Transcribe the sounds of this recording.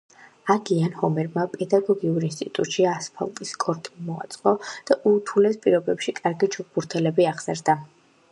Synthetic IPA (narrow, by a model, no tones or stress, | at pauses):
aɡianhɔmɛɾmapʼɛd̪aɡɔɡiuɾinst̪ʼit̪ʼut̪ʼʃiaspʰa̰lˠt̪ʼiskʼɔɾt̪ʼimɔa̰t̪sʼqʼɔd̪̥aʔut̪ʰulɛspʼiɾɔbɛpʃikʼaɾɡid͡ʒuk̚ʰb̥uɾt̪ʰɛlɛbiaʁz̥ɛɾd̪a